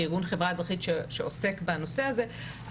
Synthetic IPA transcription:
iʁɡunχevʁaezʁaχit̪ʃeʃeosekbano̞se̞aze

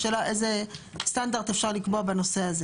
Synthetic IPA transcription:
ʃelaʔejzest̪and̪aʁt̪efʃaʁlikbobenoseaze

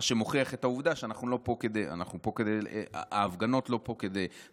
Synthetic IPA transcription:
ʃemoχiaχet̪auvd̪aʃeanaχnulo̞po̞ked̪eja̰naχnupo̞ked̪ejea̰aːvɡano̞tlo̞po̞ke̞d̪ej

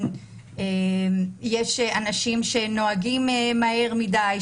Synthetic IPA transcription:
e | jeʃeanaʃimʃe̞no̞aɡimemae̞ʁmidaj

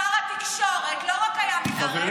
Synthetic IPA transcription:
alat̪ikʃoʁet̪loʁakajamiaze

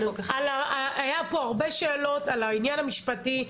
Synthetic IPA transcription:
kalaaajapo̞aʁbe̞ʃe̞ːlo̞talainjanamiʃpati

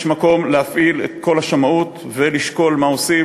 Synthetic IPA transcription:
ʃmako̞mlehafʔilḛt̪̚ko̞lhaʃamaut̪ | veliʃko̞lmao̞si

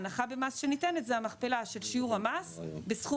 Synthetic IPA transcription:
naχabe̞masʃe̞nitenetzeamaχpe̞laʃe̞lʃiuʁhamasbesχu

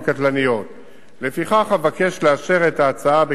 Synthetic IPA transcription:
katlanijo̞t | le̞fiχaχhavake̞ʃleaʃe̞ʁetaːt͡saabe

